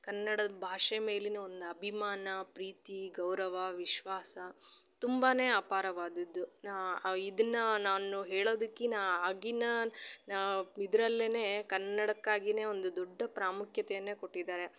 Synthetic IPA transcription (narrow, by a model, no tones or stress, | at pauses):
kɐnːɐɽɐbʱaːʂeme̞ːlinɐond̪uɐbʱimaːnɐpɾiːt̪iɡɐwɾɐʋɐʋiʃʋaːsɐt̪umbaːne̞ːaːpaːɾɐʋaːd̪ɐd̪ːunid̪ɐnːɐnaːnuɦeːɭo̞ːd̪ɐkːinaːaːɡinɐnaid̪ɾɐlːene̞ːkɐnːɐɽɐkːaːɡine̞ːo̞nd̪ud̪ɔɖːɐpɾaːmukʰjɐt̪ɛjɐnːe̞ːkoʈːid̪aːɾe̞